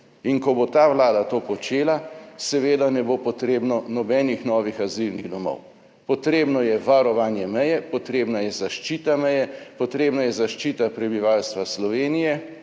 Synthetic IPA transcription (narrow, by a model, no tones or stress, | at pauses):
inkɔbot̪aːʋlaːd̪at̪oːpɔt͡ʃeːlasɛʋeːd̪anɛbopɔt̪ɾeːbnɔnɔbɛːnixnɔːʋixazilniɣd̪ɔmɔ̰w | pɔt̪ɾeːbnɔjɛʋaɾɔʋaːnjɛmɛjɛpɔt̪ɾeːbnajɛzaʃt͡ʃiːt̪amɛjɛpɔt̪ɾeːbnajɛzaʃt͡ʃiːt̪apɾɛbiʋalst̪ʋaslɔʋeːnijɛ